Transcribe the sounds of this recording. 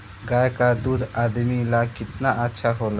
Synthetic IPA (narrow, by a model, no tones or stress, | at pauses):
ɡajkad̪ud̪ʱaːd̪milakɪt̪naʔətːʃʰaɦola